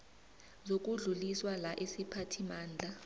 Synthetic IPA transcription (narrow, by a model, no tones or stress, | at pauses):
zok̬uɮuliswalaʔesipʰatʰimaːnd͡ɮʱa